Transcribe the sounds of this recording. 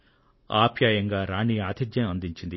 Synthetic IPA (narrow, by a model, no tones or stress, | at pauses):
aːbʱjaːjɐŋɡaːɾaːɳiaːd̪ʰid̪jɐnɐnd̪iɲt͡ʃind̪i